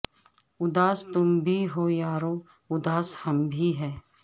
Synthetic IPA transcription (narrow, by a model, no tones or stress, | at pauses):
ʊd̪aːst̪ʊmbʱiɦoːjaːɾoː | ʊd̪aːshɐmbʱiɦɛː